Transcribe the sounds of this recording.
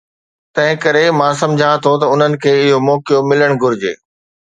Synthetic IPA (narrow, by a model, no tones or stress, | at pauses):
t̪ɐ̃ɦɪ̃kɐɾemãːs̬ɐ̃md͡ʑʱãt̪ʰot̪ɐʊn̤ənɪ̆kʰeːɪɦomɔːkijomɪləɽ̃ɡʊɾɪd͡ʑḛː